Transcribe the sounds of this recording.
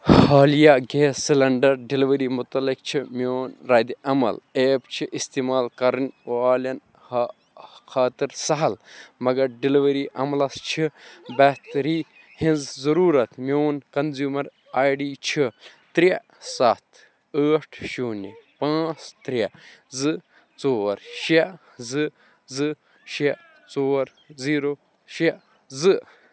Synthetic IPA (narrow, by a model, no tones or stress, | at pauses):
haːlijaːɡeːsilɐɳɖɐɾɖiliʋɐɾiːmʊt̪ɐlːik̚t͡ʃʰimʲoːnɾɐːd̪iʔɐmɐ̰leːbt͡ʃʰiʔist̪iːmaːlkɐɾɨnʲʋaːlɐn | h | kʰaːt̪ɨɾsɐɦɐlmɐɡɐɾɖiliʋɐɾiːʔɐmlɐst͡ʃʰibɐht̪ɾiː | hĩnzzɐɾuːɾɐt̪mewnkɐnzjuːmɐɾ | aːjɖiːt͡ʃʰit̪ɾe | sat̪ʰ | əːʈʰʃuːnipãːt͡st̪ɾʲezɨ | t͡soːɐɾʃe | zɨ | zɨ | ʃe | t͡soːɾ | ziːɾo | ʃe | zɨ